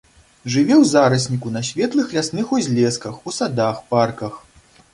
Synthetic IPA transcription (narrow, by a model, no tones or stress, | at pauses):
ʐɨvʲɛwzaɾɐsʲnʲikunɐsʲvʲɛt̪lˠɨxlʲasnɨxuzʲlʲɛskɐxusad̪axparkɐx